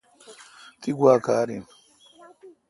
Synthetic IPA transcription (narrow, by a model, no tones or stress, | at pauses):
t̪iɡʷwaːkaːɾim